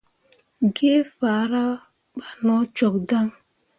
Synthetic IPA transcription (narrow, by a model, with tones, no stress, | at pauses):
ɡe˦fa˨˦ɾa˦ | k͡pa˨nɔ˦t͡ʃɔ˨k̚da˦ŋ˦